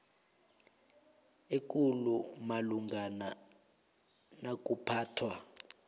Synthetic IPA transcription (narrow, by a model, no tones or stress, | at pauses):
ekʼulumaluŋɡʱana | nak̬ʼupʰaːtʰwa